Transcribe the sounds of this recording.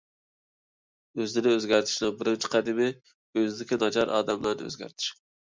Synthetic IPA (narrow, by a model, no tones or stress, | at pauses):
øzd̪ɪnɪøzɡʲæɾt̪ʰɪ̥ʃnɨŋbɪɾɪnt͡ʃʰi̥qʰæd̪ɪmɪ | øzɪd̪ɪkʲinɑd͡ʒɑɾʔɑ̰ːd̪ɛmlˠɑɾnɪ̰ø̰zɡʲæ̰ɾt̪ʰɪ̥ʃ